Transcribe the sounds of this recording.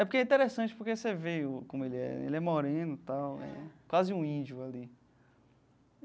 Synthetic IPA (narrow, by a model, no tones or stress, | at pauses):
ɛpoɾkeɛĩt̪eɾesɐ̃t͡ʃɪ̥poɾkeseveʊkõmʊelɪɛ̰ḛlɪɛmoɾẽnʊt̪awɛ̰kwazɪũĩd͡ʒʊali